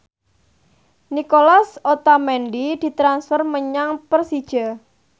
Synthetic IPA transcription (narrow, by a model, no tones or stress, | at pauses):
nikolasot̪amɛnɖid̪̥i̤t̪ɾansfərməɲaŋpərsid̥ʒ̥a